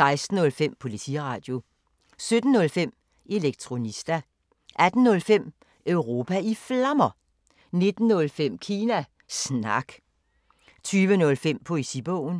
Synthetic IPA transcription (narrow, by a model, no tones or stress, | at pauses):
sɑ̈ɪsd̥n̩ɔ̽lfem̰pʰo̝lisʰḭʁɑ̈ːd̥jo̝ | sød̥n̩ːɔ̽lfem̰ | e̝leɡ̥̚t͡sʰʁo̝nisd̥æ | ʔæd̥n̩ːɔ̽lfem̰ | ʔœʊʁo̝ːpʰæiflɑmɐ | ne̝d̥n̩ːɔ̽lfem̰kʰiːnæ | snɑ̈ɡ̥ | t͡sʰyːʋənɔ̽lfem̰pʰɔ̽isib̥ɔʊ̰n̩